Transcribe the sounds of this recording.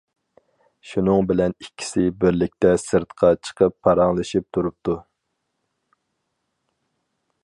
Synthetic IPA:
ʃunɨŋbɪlɛnikʲʰːi̥sɪbɪɾlɪk̚ʲt̪ʰɛsɨɾt̪qʰɑt͡ʃʰə̥qʰəpʰːɑɾɑŋlˠɨʃip̚t̪ʰuɾup̚t̪ʰu

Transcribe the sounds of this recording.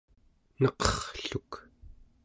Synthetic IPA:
nʌqʌχɬuk

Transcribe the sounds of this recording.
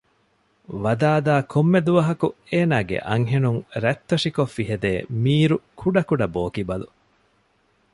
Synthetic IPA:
ʋɐd̪aːd̪aːkʰomːed̪uʋɐɦɐkueːnaːɡḛʔɐ̰ŋɦenuŋɾɛt̪ːɐʂikofːiɦed̪eːmiːɾukʰuɖɐkuɖɐboːkibɐlu

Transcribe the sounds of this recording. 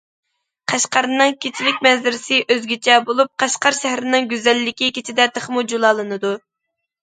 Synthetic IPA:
qʰæʃqɑɾnːɨŋkʲʰet͡ʃʰilɪkʲmɛnzɪɾɪsɪʔøzɡʲit͡ʃʰɛbolˠup̚qʰæʃqɑɾʃɛhɾɪnɪŋɡʲyzɛlːɪkʲikʲʰet͡ʃʰid̪ɛt̪ʰəχmud͡ʒulˠɑlˠɨnɨd̪u

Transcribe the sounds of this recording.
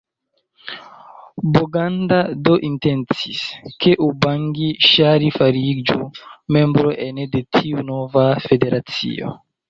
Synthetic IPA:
boɡandadoʔintent͡siskeʔubaŋɡiʃaɾifaɾid͡ʒumembɾoʔenedetʰiunovafedeɾʔat͡sḭo̰

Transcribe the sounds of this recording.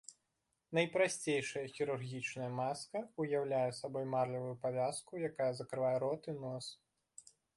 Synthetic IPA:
nɐjpɾasʲt͡sʲejʂɐjɐxʲiɾurɣʲit͡ʂnɐjɐmaskɐujawlʲajɛsabɔjmarlʲɐvɐjupavʲaskujakajɐzɐkɾɨvajɛɾɔt̪ɨnɔs

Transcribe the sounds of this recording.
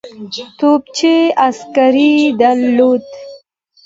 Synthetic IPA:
t̪op̚t͡ʃeaskaɾid̪alːod̪

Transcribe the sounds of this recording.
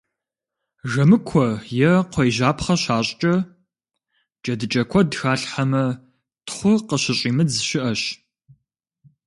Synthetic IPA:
ʒɐmɨkʷʰɔjɛqʷɔjʑaːpχɐɕaːɕʼt͡ʃʼɐ | d͡ʒɐdɨt͡ʃʼɐkʷʰɔdxaːɬħamɐ | tχʷʊqəɕɪɕʼiːmɨzɨɕɪʔɐɕ

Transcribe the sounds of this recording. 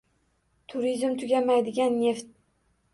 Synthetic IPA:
t̪ʰʊɾizmt̪ʰʊɡʲamajd̪ɪɡʲanːe̞ft̪̚

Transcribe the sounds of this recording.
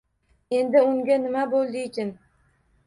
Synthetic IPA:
e̞nd̪ɪʊŋɡʲanɪmabolˠd̪ɪɪt͡ʃʰʲɪn

